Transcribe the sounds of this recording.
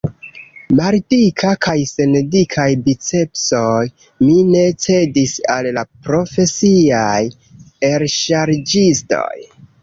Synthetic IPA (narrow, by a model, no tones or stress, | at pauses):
maɾtikʰakajsendikʰajdit͡se̞pso̞j | mine̞t͡se̞disallapɾo̞fe̞siaj | e̞ɾʃaɾd͡ʒisto̞̰j